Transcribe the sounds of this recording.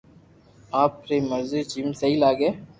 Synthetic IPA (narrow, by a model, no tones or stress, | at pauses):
aːpɾeːmɐɾzed͡ʒiːmsɐɦilaːɡeː